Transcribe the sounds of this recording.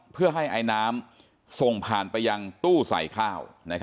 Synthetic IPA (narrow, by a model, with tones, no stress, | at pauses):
pʰɯ˥˩ɐɦa˥˩jʔa˧jnaː˦˥m | so˨˩ŋpʰaː˨˩npa˧jːa˧ŋt̪uː˥˩sa̰˨˩˦jkʰaː˥˩wna˦˥kʰ